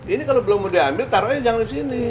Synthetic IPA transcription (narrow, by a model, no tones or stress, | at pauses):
inikalobəlʊŋmodiɦambɪlt̪aɾojad͡ʒaŋdisini